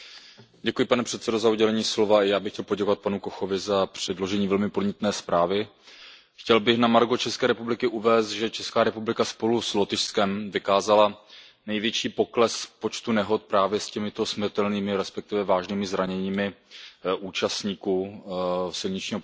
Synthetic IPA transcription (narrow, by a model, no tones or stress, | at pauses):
ɟɛkujɪpanɛpr̥ɛt̪sɛdo̞zauɟɛlɛɲiːslo̞vaɪjaːbɪxcɛlpo̞ɟɛkovat̪̚panukoxo̞vɪzapr̝̥ɛdlo̞ʒɛɲiːvɛlmɪpodɲɛt̪nɛːspɾaːvɪ | xcɛlbɪxnamaɾɡo̞t͡ʃɛskɛːɾɛpublɪkɪʔuvɛːst̪ʒɛt͡ʃɛskaːɾɛpublɪkaspo̞luslo̞t̪ɪʃskɛmvɪkaːzala | nɛjvjɛt͡ʃiːpo̞klɛspo̞t͡ʃt̪unɛɦo̞t̪̚pɾaːvjɛscɛmɪt̪o̞smr̩t̪ɛlniːmɪɾɛspɛk̚t̪ɪvɛvaːʒniːmɪzɾaɲɛɲiːmɪʔuːt͡ʃast̪ɲiːku | sɪlɲɪt͡ʃɲiːɦo